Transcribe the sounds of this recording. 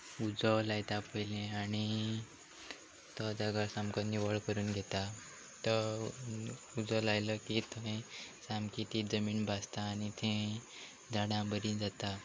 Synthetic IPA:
ud͡zɔlajt̪apəjlẽaɽ̃i | t̪ɔd͡zaɡaɾsamkəniʋəɭkəɾuːnɡʱet̪a | t̪ə | ud͡zɔlajləkit̪ʰəẽsamkit̪iːd͡zəmiːnbʱast̪aːñit̪ʰẽ | d͡zaɽãbəɾĩd͡zat̪a

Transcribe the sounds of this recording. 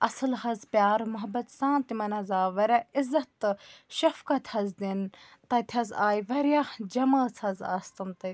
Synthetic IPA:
ɐsɨlhɐzpʲjaːɾmʊɦɐbɐt̪sãːnt̪imɐnɐzaːʋɐɾɐizːɐt̪ːʃɐfkɐt̪ʰhɐzd̪in | t̪ɐt̪ʲʰɐzaːjʋɐɾjad͡ʒɐmɐːt͡sʰɐza̰ːst̪ɐmt̪ɐ

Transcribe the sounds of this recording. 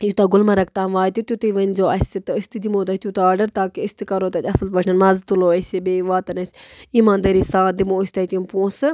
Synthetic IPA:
jit̪aːɡʊlmɐɾɐk̚ʰt̪aːmʋaːjt̪ʲut̪ʲjut̪ɨʋɐnʲzoːʔɐsʲit̪ɨɨst̪ɨd͡ʒimoːt̪ɐt̪jut̪aːɾɖɐɾt̪aːkiɨst̪ɨkɐɾoːt̪ɐt̪ʲɐsɐlpɐʃʰnɐnmɐzt̪uloːɐsebeːʋaːt̪ɐnɐsʲiːmaːnd̪ɐɾisãːd̪imoːisʲt̪ɐt̪ʲumpõːsɨ

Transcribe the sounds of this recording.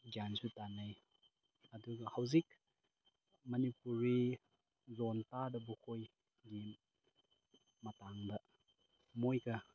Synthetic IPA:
ɡjansutanaj | ɐduɡɐhawzik̚ | mɐnipuɾi | zɔntadɐbukʰoj | ɡin | mɐtaŋdɐ | mojkɐ

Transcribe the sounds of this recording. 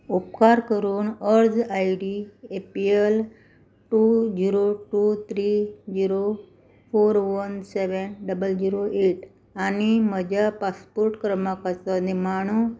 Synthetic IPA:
upkaɾkəɾuːnəɾd͡zaiɖiepiel | ʈud͡ʑiɾoʈut̪ʰɾid͡ʑiɾo | foɾʋənseʋənɖəbəld͡ʑiɾoʔeʈ | añiməd͡ʑʱapaspoɾʈkɾəmakat͡sənimaɳ̃u

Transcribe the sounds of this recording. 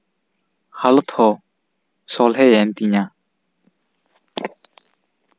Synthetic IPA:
halɔt̪ʰɔ | sɔlɦɛjɛnt̪iɲa

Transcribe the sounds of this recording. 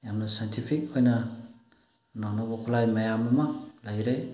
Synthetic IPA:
jamnasajntʰifikojna | nonobokulajmajamumalajɾe

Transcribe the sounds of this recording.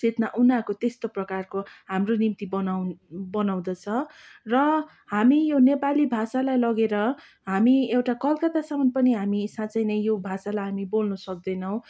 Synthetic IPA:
set̪naʔunakot̪est̪oprʌkarkoɦamronimt̪ibʌnawnbʌnaw̃d̪ʌt͡sʰʌrʌ | ɦamijonepalibʱasalajlʌɡeɾʌ | ɦamiewʈakʌlkat̪asamʌnpʌniɦamisãt͡sʌjnʌjjobʱasalajɦamibolnʌsʌk̚d̪ʌjnʌw̃

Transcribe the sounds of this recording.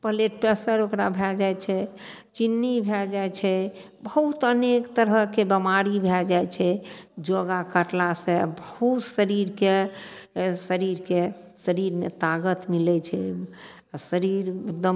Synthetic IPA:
pəleʈpɛsəɾokɾabʱɛd͡ʒajt͡ʃʰɛ | t͡ʃinːibʱɛd͡ʒajt͡ʃʰɛ | bəɦut̪ənekt̪əɾəkebəmaɾibʱɛd͡ʒajt͡ʃʰɛd͡ʒoɡakəʈlasebəhɦut̪səɾiɾke | səɾiɾke | səɾiɾmḛt̪aɡət̪milɛt͡ʃʰɛ | səɾiɾek̚d̪əm

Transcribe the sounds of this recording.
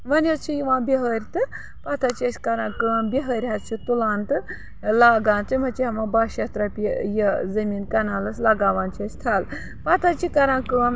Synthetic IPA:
ʋɐnʲɐt͡ʃʰijiʋãːbʲiɦəɾʲt̪ɨ | pat̪ʰat͡ʃiɐsʲkɐɾãːkɨɽɐmbʲiɦəːɾʲɦat͡ʃʰit̪ulaːnt̪ɨ | laːɡaːnt͡s̪ʰɨm̤ɐt͡ʃiɦɐʋãːbaːʃɐt̪ɾɐpʲijɐzɐmiːnkɐnaːlɐslaɡaːʋaːnt͡ʃʰɐsʲt̪ʰaːl | pɐt̪ʰat͡ʃʰikɐɾãːkɨɽaːm

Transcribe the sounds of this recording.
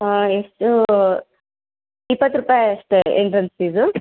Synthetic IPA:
aesʈu | ipːɐt̪ːɾupaːjɐʂʈ̪eeɳʈɾɐnssiːzu

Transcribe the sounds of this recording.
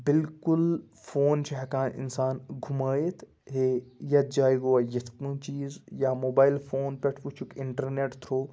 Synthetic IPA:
bɪlkʊl | fʰoːnt͡ʃʰɐɦɐkãːnʔɪ̰nsaːnɡʱumaːjet̪ʰ | ɦejɐt̪̚d͡ʒaːiɡoɐjɐt̪ʰkũːt͡ʃiːzjaːmoːbaːjɪlfʰoːnpʲɛʈʰʋut͡ʃʰukɪɳʈɐɾneːʈt̪ʰɾoː

